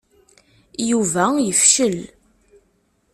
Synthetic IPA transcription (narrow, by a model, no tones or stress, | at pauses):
juvæjəfʃəl